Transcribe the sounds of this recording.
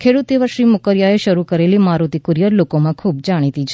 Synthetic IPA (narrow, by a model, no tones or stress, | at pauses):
kʰeɽut̪iʋəɾʃɾiːmukəɾjaeʃəɾukəɾeliːmaɾut̪ikuɾijəɾlokomãkʰuːb̚d͡ʒaɽ̃it̪it͡ʃʰ